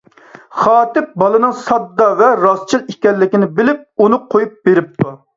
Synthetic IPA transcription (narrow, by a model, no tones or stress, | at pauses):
χɑːt̪ɪp̚bɑlˠɨnɨŋsɑd̪ːɑvɛɾɑst͡ʃʰilˠikʲɛlːɪkʲinɪbɪlɪp̚unɨqʰojup̚beɾɪp̚t̪ʰu